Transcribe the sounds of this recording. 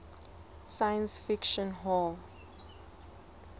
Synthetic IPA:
sajə̃nsfikʃɔ̃nɦɔl

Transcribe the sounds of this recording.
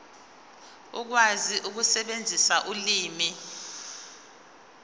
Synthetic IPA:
uk̬waziʔuk̬usɛɓend͡zʱisaʔuliːmi

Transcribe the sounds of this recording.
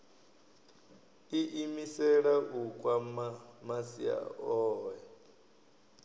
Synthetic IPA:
iʔimisɛɺaʔukʼwaamasia̰ɔːɛ

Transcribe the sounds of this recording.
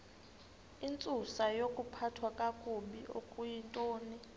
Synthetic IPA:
int͡sʼusajokʼupʰatʰwakʼakʼuɓiʔo̰kʼujintʼoːni

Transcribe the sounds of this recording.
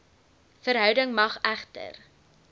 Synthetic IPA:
fəɾɦœwdəŋmɐχæχtə̰r

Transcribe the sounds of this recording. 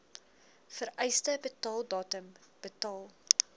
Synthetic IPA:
fəɾɛjstəbətɑːlˠdɑːtəmb̥ətɑːlˠ

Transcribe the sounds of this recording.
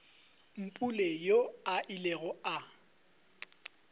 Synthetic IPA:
m̩pʼulejoaʔileɣɔa

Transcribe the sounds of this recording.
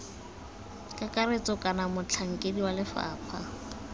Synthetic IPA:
kʼakʼaret͡sʼɔkʼanamʊt͡ɬʰaŋ̩kʼediwalɪfa̰ːpʰa

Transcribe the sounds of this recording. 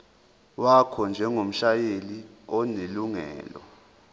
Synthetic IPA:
wakʰɔnd͡ʒʱɛŋom̩ʃajeliɔneluŋɛ̰ːlɔ̰

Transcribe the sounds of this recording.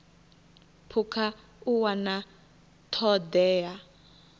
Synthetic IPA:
pʰukʰa | uwana | tʰɔdɛːja

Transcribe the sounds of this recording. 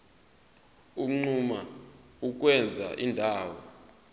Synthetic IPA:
uŋ͡ǀuma | uk̬ʼwɛnd͡zʱa̰ʔindʱaːwɔ

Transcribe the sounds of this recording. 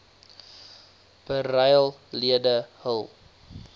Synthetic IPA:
b̥əɾɐjlˠliədəhəlˠ

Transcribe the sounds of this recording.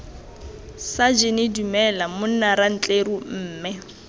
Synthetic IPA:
sad͡ʒɪnedumɛlamʊn̩naɾan̩t͡ɬʼeɾum̩ːmɛ

